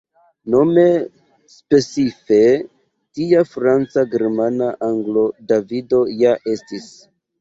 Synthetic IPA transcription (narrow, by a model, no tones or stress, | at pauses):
no̞me̞ | spe̞t͡sife̞ | tiafɾant͡saɡe̞ɾmanaʔaŋɡlo̞davido̞jaʔe̞stis